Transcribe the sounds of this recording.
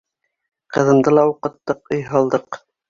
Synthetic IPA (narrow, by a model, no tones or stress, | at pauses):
qɤ̆ðɤ̆nd̪ɤlˠɑuqɤ̆t̪ːɤqŏjɦɑlˠd̪ɤq